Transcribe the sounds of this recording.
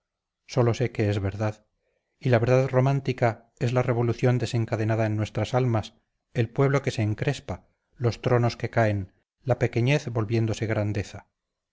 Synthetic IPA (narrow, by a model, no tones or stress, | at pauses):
so̞lo̞se̞keezβe̞ɾðað | ilaβe̞ɾðaðro̞mãnt̪ika | e̞zlare̞β̞o̞luθjo̞nd̪e̞se̞ŋkaðe̞naðaenːwe̞st̪ɾasalmas | e̞lpwe̞βlo̞ke̞se̞ːŋkɾe̞spa | lo̞st̪ɾo̞no̞ske̞kae̞n | lape̞ke̞ɲe̞θbo̞lβje̞nd̪o̞se̞ɣɾand̪e̞θa